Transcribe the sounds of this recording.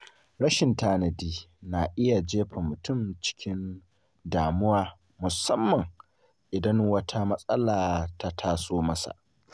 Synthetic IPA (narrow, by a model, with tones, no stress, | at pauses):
ɾɐ˦ʃɪ˨ntaː˦nɐ˨diː˦na˨ʔɪ˦ja˨d͡ʒeː˦ɸɐ˨mʊ˨tʊ˦˨mt͡ʃɪ̥˦kʲɪ˦n | daː˨mʊ˦waː˨ | mʊ˨sɐ˦mːɐ˨ŋ | ʔɪ˨dɐ˦ŋwɐ˦tʰa˦mɐ˦sʼɐ˦laː˨ta˦tʰaː˦soː˦mɐ˦sa̰˨ʔ